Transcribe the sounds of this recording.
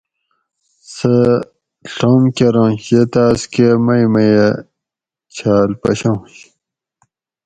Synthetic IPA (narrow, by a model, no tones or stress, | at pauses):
sɐ | ɬoːmkeɾõːɕet̪aːskemɐjmɐje | t͡ɕʰaːlpɐ̰ɕõɕ